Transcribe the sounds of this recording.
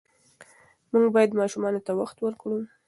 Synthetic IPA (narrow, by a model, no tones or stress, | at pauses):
muŋɡbɑjad̪mɑʃumɑnot̪awaxt̪wəɾkɽu